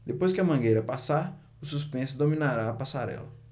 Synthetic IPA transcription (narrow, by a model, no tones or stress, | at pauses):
d̪epojskɪɐmɐ̃ɡejɾɐpasaɾ | ʊsuspẽsʊd̪omĩnaɾaɐpasaɾɛ̰lɐ